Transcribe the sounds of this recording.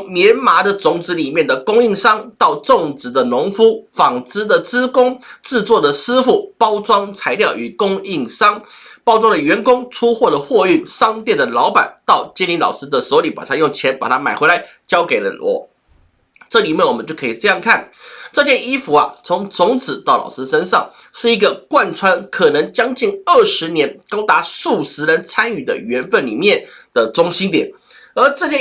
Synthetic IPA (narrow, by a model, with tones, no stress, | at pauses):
ŋmjɛ˧˥nma˧˥d̪ə˨t͡sʊ˧˩ŋt͡sɻ̩˧˥li˨˩mjɛ˥˩nd̪ə˩kʊ˥ŋi˥˩ŋʂɑ˥ŋt̪ɑ˥˧ʊʈ͡ʂʊ˥˨˩ŋt͡sɻ̩˧˥d̪ə˧nʊ˧˥ŋfu˥fɑ˨˩ŋt͡sɹ̩˥d̪ə˨t͡sɹ̩˥kʊ˥ŋʈ͡ʂɻ̩˥˧t͡swɔ˥˩d̪ə˩sɹ̩˥fu˥˩pɑ˥ʊt͡swɑ˥ŋt͡sʰa˧˥ɪljɑ˥˩ʊʔy˨˩kʊ˥ŋi˥˩ŋsɑ˥ŋpɑ˥ʊt͡swɑ˥ŋd̪ə˨˩ɥɛ˧˥nkʊ˥ŋʈ͡ʂʰu˥xwɔ˥˩d̪ə˩xwɔ˥˧y˥˩nʂɑ˥ŋt̪jɛ˥˩nd̪ə˩lɑ˧˥ʊpa̰˨˩nt̪ɑ˥˩ʊt͡ɕɛ˥nli˧˥nlɑ̰˨˩ʊʂ̩˥d̪ə˨so˧˥ʊli˧˥pa̰˨˩t̪ʰa˥jʊ˥˩ŋt͡ɕʰjɛ˧˥npa̰˨˩t̪ʰa˥ma˨˩ɪxwe˧˥ɪla˧˥˦ɪ | t͡ɕjɑ˥ʊke˨˩ɪlə̰˦lwɔ̰˧˥˦ | ʈ͡ʂɤ˥˩li˨˩mjɛ˥˩nwɔ˨˩mə˦t͡ɕo˥˩kʰɤ˥i˨˩ʈ͡ʂɤ˥˧jɑ˥˧ŋkʰa˥˩nʈ͡ʂɤ˥˧t͡ɕjɛ˥˧ni˥fu˧˥ɐ˨t͡sʰʊ˧˥ŋt͡sʊ˧˥ŋt͡sɹ̩˨˩t̪ɑ˥˩ʊlɑ̰˨˩ʊʂɹ̩˥ʂə˥nʂɑ˥˩ŋʂɻ̩˥˩i˧˥ɡə˧kwa˥˩nt͡sʰwa˥nkʰɤ˨˩nɤ˧˥ŋt͡ɕjɑ˥ŋt͡ɕi˥˧ŋə˥˩ʂɻ̩˧˥njɛ˧˥nkɑ˥ʊt̪a˧˥ʂu˥˩sɻ̩˧˥lə˧˥nt͡sʰa˥ny˨˩d̪ə̰˨ɥɛ˧˥nfə˥˩nli˨˩mjɛ˥˩nd̪̥ə˨˩t͡sʊ˥ŋɕi˥nt̪jɛ̰˨˩n | ə˞˧˥ʈ͡ʂɤ˥˧t͡ɕjɛ˥˧